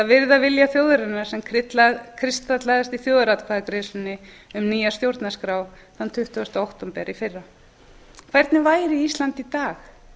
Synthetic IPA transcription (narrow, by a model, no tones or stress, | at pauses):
θavɪɾðavɪljaθjowðʏɾɪnːaɾ̥sɛmkʰɾɪt̪lakʰɾɪst̪at̪laðast̪iθjoːðʏɾat̪kʰvaðkɾeːsɪnːɪ | ʏmniːjast̪jowɾt̪naskɾaw | θant̪ʰʏht̪ʏast̪aowht̪ɔmpɛ̰ɾifɪrːa | kʰvɛɾt̪nɪvaːjɾiist̪lant̪it̪aːx